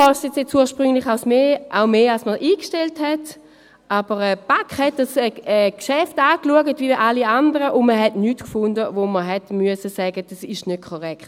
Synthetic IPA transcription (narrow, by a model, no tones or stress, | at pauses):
ɔstjɛt͡sjɛt͡suːɐʃpʁʏŋlɪχaʊsmeːʔaʊmeːalsməʔiːkʃtɛlthɛt | ʔabəʁɛːb̥akχhɛt̚dasɛɛːkʃɛftaːkluəɡətviiʔaliandəʁəʔʊnməɦɛtnyːtkfʊndəvoməɦɛtmyəsəsɛɡəd̥asɪʃnøt̚kʰɔʁɛkχt